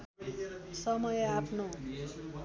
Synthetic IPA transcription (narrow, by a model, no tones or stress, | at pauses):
sʌmʌjʌapʰno